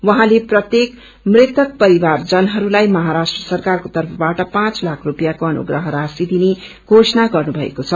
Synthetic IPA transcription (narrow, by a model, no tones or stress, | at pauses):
wʌɦãleprʌt̪jek | mret̪ʌk̚pʌɾibard͡zʌnɦʌɾulajmʌɦaɾasʈrʌsʌrkarkot̪ʌrpʰʌbaʈʌpãt͡slakʰrupjakoʌnṵɡrʌɦʌɾasid̪ine | ɡ̥ʱosʌnaɡʌrnubʱʌḛkot͡sʰʌ